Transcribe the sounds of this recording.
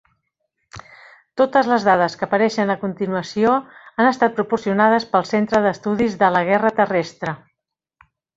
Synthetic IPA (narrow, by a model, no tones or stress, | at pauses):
t̪ot̪əzləzðaðəskəːpəɾɛʃənəkunt̪inuəsioənəst̪at̪̚pɾupuɾsiunað̞əspəlˠsent̪ɾəðəst̪uðizðələɣ̞ɛrət̪ərɛst̪ɾə